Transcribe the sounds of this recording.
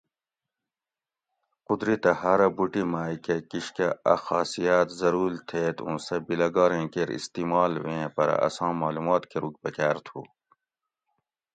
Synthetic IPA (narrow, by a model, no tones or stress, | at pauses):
qud̪ɾit̪ɐhɐɾɐbuʈimaːikekiɕkɐɐ̰xɑːsijaːt̪zɐɾuːlt̪ʰeːt̪ṵ̃ːsɐbilɐɡɑːɾẽːkeɾḭst̪iːmɑːlʋẽːpɐɾɐ̰ɐ̰sɑ̃ːmaːlumɑːt̪keɾuk̚pɐkæːɾt̪ʰṵː